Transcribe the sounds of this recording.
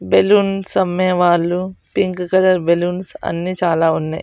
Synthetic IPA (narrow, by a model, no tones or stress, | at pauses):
beluːnsɐmːɐɐʋaːlːupiŋkkɐlɐɾbeluːnsɐ̰nːit͡ʃaːlaːunːaj